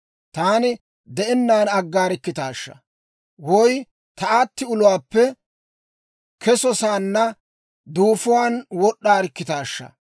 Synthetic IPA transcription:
t̪aːnɪ | d̪ɛʔɛnːaːnɐɡːaːɾɪkːɪt̪aːʃːɐ̰ | wɔj | t̪ɐaːt̪ːɪʊlʊwaːpːɛ | kɛsɔsaːnːɐ | d̪uːfʊwaːnwɔɗːaːɾɪkːɪt̪aːʃːɐ̰

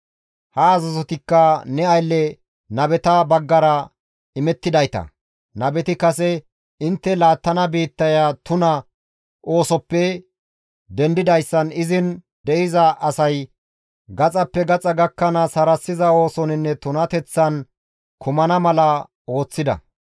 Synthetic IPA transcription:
hɐːzɐzɔt̪ɪkːɐnɛɐjlːɛ | nɐbɛt̪ɐbɐɡːɐɾɐ | ɪmɛt̪ːɪd̪ɐjt̪ɐ̰ | nɐbɛt̪ɪkɐsɛ | ɪnt̪ːɛlaːt̪ːɐnɐbiːt̪ːɐjaːt̪ʊnɐ | ʔo̞ːsɔpːɛ | d̪ɛnd̪ɪd̪ɐjsːɐnɪzɪn | d̪ɛʔɪzɐʔɐsɐj | ɡɐt͡sʼɐpːɛɡɐt͡sʼɐɡɐkːɐnɐsɐɾɐsːɪzɐo̞ːsɔnɪnːɛt̪ʊnɐt̪ɛt͡sːɐn | kʰʊmɐnɐmɐlɐ | o̞ːt͡sːɪd̪ɐ̰

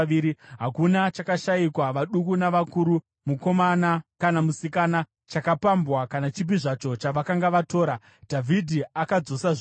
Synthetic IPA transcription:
iːɾiɦakunat͡ʃakaʃaikwaʋaɗukunaʋakuɾu | muko̞manakanamusikana | t͡ʃakapambwakanat͡ʃip̬iʐat͡ʃo̞t͡ʃaʋakaŋɡaʋato̞ːɾa | dʱavʱidʱiakad͡zo̞saʐ

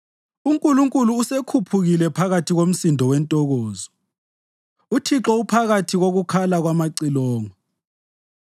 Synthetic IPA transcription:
uŋkʼuluŋkʼuluːsekʰupʰuɣilɛpʰaɣatʰiɣom̩sindʱɔwɛntʼɔɣɔːzɔ | utʰiǁɔupʰaɣatʰiɣoɣukʰalaɣwamaǀilɔːŋɔ

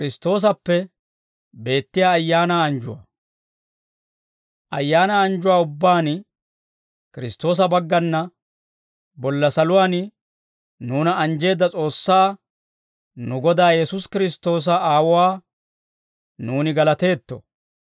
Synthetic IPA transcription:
kɪɾɪst̪o̞ːs̬ɐpːɛ | be̞ːt̪ːɪjaːjːaːnaːɐnd͡ʒʊwɐ̰ | ʔɐjːaːnaɐnd͡ʒʊwaːʊbːaːn | kɪɾɪst̪ːo̞ːs̬ɐbɐɡːɐnːɐ | bɔlːɐsɐlʊwaːn | nuːnɐʔɐnd͡ʒe̞ːd̪ːɐt͡sʼo̞ːsːaː | nʊɡɔd̪aːjɛsʊskɪɾɪst̪o̞ːs̬ɐaːwʊwaː | nuːnɪɡɐlɐt̪e̞ːt̪ːɔ̰

